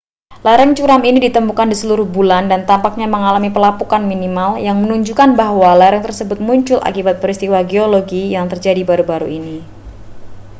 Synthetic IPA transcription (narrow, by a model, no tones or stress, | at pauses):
laɾɛŋt͡ʃuɾaminidit̪əmukandisəluɾʊhbulandant̪ampak̚ɲaməŋalamipəlapukanminimaljaŋmənuɲd͡ʒukanbaɦwalaɾɛŋt̪ərsəbʊt̪̚muɲt͡ʃʊlʔa̰kibat̪̚pɾist̪iwaɡeoloɡijaŋt̪ərd͡ʒadibaɾubaɾuini